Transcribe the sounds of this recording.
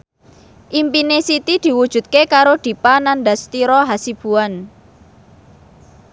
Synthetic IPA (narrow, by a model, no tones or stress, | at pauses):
ʔimpinesit̪id̪̥i̤wud̥ʒ̥ṳt̪̚kekaɾod̪̥i̤pananɖ̪ast̪iɾɔɦasib̥ṳan